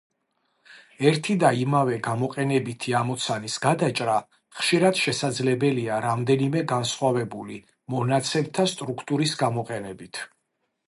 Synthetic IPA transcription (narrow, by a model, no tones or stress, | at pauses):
ɛɾt̪ʰid̪aimavɛɡamɔqʼɛnɛbit̪ʰiamɔt̪sʰanisɡad̪at͡ʃʼɾa | χʃiɾad̪̥ʃɛsad̪zlɛbɛliaɾamd̪ɛnimɛɡansχwavɛbuli | mɔnat̪sʰɛbt̪ʰast̪ʼɾukʰt̪ʼuɾisɡamɔqʼɛnɛbit̪ʰ